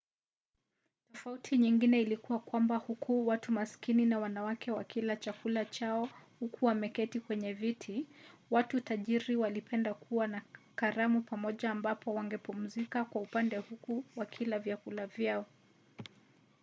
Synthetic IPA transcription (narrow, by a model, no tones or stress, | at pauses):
tɔfautʰiɲiŋɡinɛilikuwakwambahukʰuwatumaskininawanawakʰɛwakilat͡ʃakulat͡ʃaɔhukuwamɛkɛtikwɛɲɛvitʰiwatutaʄiɾiwalipʰɛndakʰuwanakaɾamupamɔʄaːmbapʰɔwaŋɡɛpum̩zikakwaupandɛhukuwakʰilavjakulavjaɔ